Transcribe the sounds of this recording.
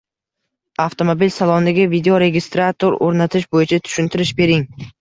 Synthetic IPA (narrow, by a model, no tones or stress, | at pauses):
aft̪ʰomobilsalˠɒnd̪aɡʲavid̪eoɾe̞ɡʲɪst̪ɾat̪ʰoɾoɾnat̪ʰɪʃbojɪt͡ʃʰat̪ʰʊ̥ʃɪnt̪ʰɪɾɪʃbe̞ɾɪŋ